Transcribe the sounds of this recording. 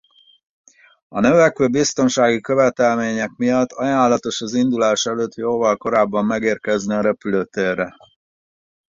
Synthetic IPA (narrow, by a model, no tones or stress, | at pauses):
ɒnøvɛkøːbist̪o̞nʃaːɡikøvɛt̪ɛlmeːɲɛkmijɒt̪ːɒjaːlːɒt̪o̞ʃɒzind̪ulaːʃɛløːt̪ːjoːvɒlko̞ɾaːbːɒmːɛɡeːrkɛzniɒɾɛpyløːt̪eːrɛ